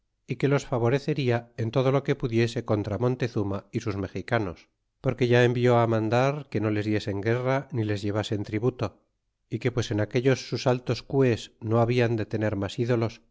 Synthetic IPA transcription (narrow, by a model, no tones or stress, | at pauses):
ike̞lo̞sfaβo̞ɾe̞θe̞ɾiae̞nt̪o̞ð̞o̞loke̞puðje̞se̞ko̞nt̪ɾamõ̞nt̪e̞θumaisuzme̞xikano̞s | po̞ɾke̞ʝae̞mbjo̞amãnd̪aɾke̞no̞le̞zðje̞se̞ŋɡe̞ranile̞zʝe̞β̞ase̞nt̪ɾiβut̪o̞ | ike̞pwe̞se̞nake̞ʎo̞sːusalt̪o̞skwe̞sno̞aβiand̪e̞t̪e̞ne̞ɾmasiðo̞lo̞s